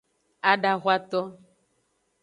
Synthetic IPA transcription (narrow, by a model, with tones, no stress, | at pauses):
a˨ɖa˨ɣʷa˦t̪ɔ˦